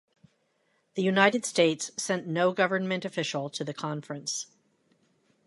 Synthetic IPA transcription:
ðɨjʉnaɪɾɨd̥steɪtsːɛ̃nnoʊɡʌvə˞nmɨ̃ntɨfɪʃl̩ˠtʰɨðɨkʰɑ̃ɱfɹɨ̃ns

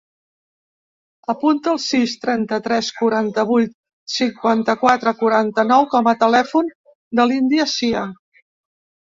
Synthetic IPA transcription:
əpunt̪əːlˠsist̪ɾɛnt̪ət̪ɾɛskuɾant̪əβ̞ujt̪ | siŋkwant̪əkwat̪ɾəkuɾant̪ənɔwkɔmət̪əlɛfun | d̪əlind̪iəsia

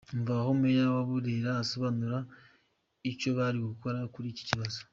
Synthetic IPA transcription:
ɱvahomuejaβaβuɾeɾaːso̞βanuɾa | ico̞βaɾiokuko̞ɾakuɾici̥ciβazo̥

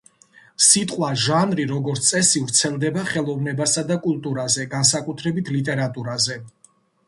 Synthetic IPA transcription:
sit̪ʼqʼwaʒanɾiɾɔɡɔɾt̪ssʼɛsivɾt̪sʰɛlˠd̪ɛbaχɛlˠɔvnɛbasad̪akʼulˠt̪ʼuɾazɛɡansakʼut̪ʰɾɛbit̪ʰlit̪ʼɛɾat̪ʼuɾazɛ

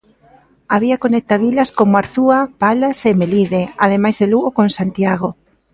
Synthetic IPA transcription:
aβiakonɛk̚t̪aβilaskomaɾθuapalasemeliðeað̞emajzðeluɣokonsant̪jaɣ̞o

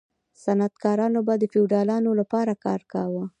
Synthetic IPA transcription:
sanat̪kɑɾɑnobɑd̪əfiwɖɑlɑnolapɑɾakɑ̰ɾkɑwə

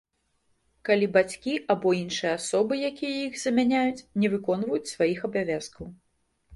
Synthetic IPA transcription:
kalʲibat͡sʲkʲiʔabɔinʂɨjɛasɔbɨjakʲijɐjixzɐmʲanʲajut͡sʲnʲɛvɨkɔnvɐjut͡sʲsvajixɐbavʲaskɐw

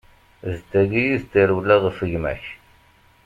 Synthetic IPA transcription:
zt̪ːæɡijizt̪ːiɾwlːæðˤəfəʝmæ̰ç

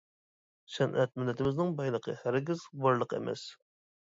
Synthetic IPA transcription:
ʃɛnʔɛ̰t̪̚mylːɛt̪ʰɪmɪznɪŋbɑjlˠəqʰə̰hæɾɡʲizbɑɾlˠəqʰḛmɛ̰s

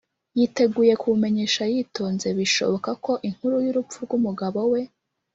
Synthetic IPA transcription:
jite̞ɡuje̞kʰume̞ɲe̞ːʃajiːto̞ːnze̞βiʃo̞̰βo̞kako̞ʔiŋ̥huɾujuɾup̪p͡fuɾɡumuɡaβo̞we̞

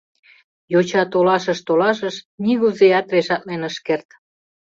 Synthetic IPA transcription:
jot͡ɕɑt̪olɑʃəʃt̪olɑʃəʃniɣuzeɑt̪reʃɑt̪lenəʃkert̪

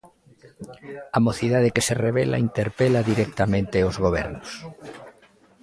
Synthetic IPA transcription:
amoθiðað̞ekesereβɛla̰int̪eɾpelaðiɾɛk̚t̪amẽnt̪eozɣoβɛ̰ɾnos

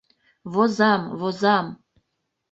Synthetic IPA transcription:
vozɑmvozɑm

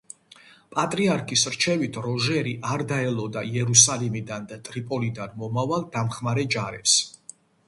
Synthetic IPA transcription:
pʼat̪ʼɾiaɾkʰisɾt͡ʃʰɛvit̪ʰɾɔʒɛɾiʔaɾd̪aɛlɔd̪aiɛɾusalimid̪and̪at̪ʼɾipʼɔlid̪anmɔmavalˠd̪̥amχmaɾɛd͡ʒaɾɛps

